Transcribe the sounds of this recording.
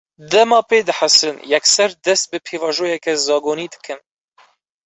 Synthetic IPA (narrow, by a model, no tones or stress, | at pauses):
d̪ɛmɑːpeːd̪ɨħasɨnjɛksɛɾd̪ɛst̪̚bɨpʰeːvɑːʒoːjɛkɛzɑːɡoːniːd̪ɨ̥kʰɨn